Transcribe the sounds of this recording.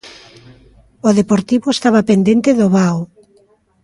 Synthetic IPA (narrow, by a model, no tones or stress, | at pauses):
oðepoɾt̪iβoest̪aβapend̪ent̪eðoβaw